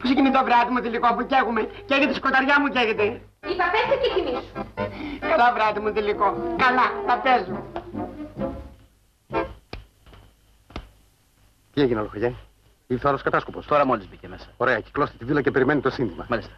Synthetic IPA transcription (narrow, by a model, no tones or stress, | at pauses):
po̥secinit̪ovɾɐt̪imut̪ilikopuceɣumeceɣet̪esi̥ko̞t̪ɐɾʝɐmuceɣet̪e | ipɐpet̪ececimisumkɐlɐvɾɐt̪imut̪ilikokɐlɐnɐpezu | t̪ieʝineoloxɐʝɐ | iθɐɾoskɐt̪ɐskopost̪o̞ɾɐmolizbicemesɐ̥oɾeɐci̥klost̪e̥t̪ivilɐcepe̞ɾimenit̪osind̪imɐ̰malist̪e̥